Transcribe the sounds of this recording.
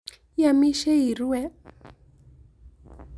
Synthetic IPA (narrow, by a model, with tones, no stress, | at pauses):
ja˨mi˦ʃɛ˦i˨ɾu˦wɛ˦